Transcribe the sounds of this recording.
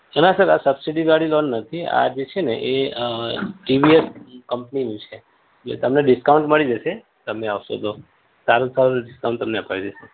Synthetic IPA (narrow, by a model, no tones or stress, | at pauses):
ənasəɾasəbsiɖid̪ʋaɽilɔnːət̪ʰia̰d͡ʒet͡ʃʰenḛʔe | ʈiʋieskəmpninũt͡ʃʰe | ḛt̪əmneɖɪskauɳʈməɭid͡ʒəʃe | t̪əmeaʋʃo̰t̪o | salusalnɖɪskaũɳʈt̪əmneəpaʋid͡ʒəse